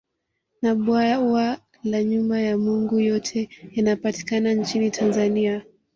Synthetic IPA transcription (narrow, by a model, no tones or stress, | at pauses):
naɓwawa | laɲumbajamuŋɡujɔtʰɛjanapati̥kanant͡ʃinitʰanzania